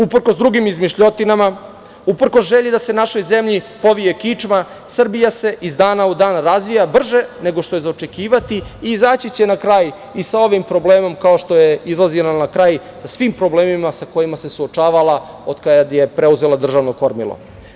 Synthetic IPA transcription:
upr̩kosd̪ɾuɡimizmiʃʎo̞t̪inama | upr̩ko̞sʒeʎid̪ase̞naʃo̞jze̞mʎipo̞ʋije̞kit͡ʂma | srbijase̞ʔizd̪aːnaud̪aːnɾazʋijabr̩ʒe̞ne̞ɡo̞ʃt̪o̞jezaot͡ʃe̞kiːʋat̪iːzaːt͡ɕit͡ɕe̞nakɾaːj | isao̞ʋimpɾo̞ble̞ːmo̞mkaoʃt̪o̞je̞izlˠazilanakɾaːj | sasʋimpɾo̞ble̞ːmimasako̞jimase̞suot͡ʃaːʋala | od̪kajad̪je̞pɾe̞uze̞lˠad̪r̩ʒaʋnoko̞ɾmḭlˠo̰

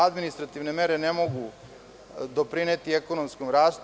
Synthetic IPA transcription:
ad̪minist̪ɾat̪iʋne̞me̞ɾe̞ne̞mo̞ɡu | d̪o̞pɾine̞t̪ie̞ko̞no̞mskomɾaːst̪

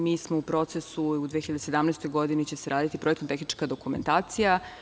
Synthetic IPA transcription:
miːsmoupɾo̞t̪se̞suud̪ʋexiʎad̪esed̪amnɛːst̪o̞jɡo̞d̪init͡ɕe̞seɾʔaːd̪it̪ipɾoekt̪omt̪exnit͡ʃkad̪o̞kume̞nt̪aːt̪sija

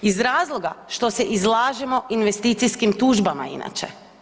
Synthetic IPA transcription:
izɾaːzlˠo̞ɡaʃt̪o̞seʔizlˠaːʒemo̞ʔinʋest̪iːt̪sijskimt̪uːʒbama̰ḭna̰t͡ʃḛ

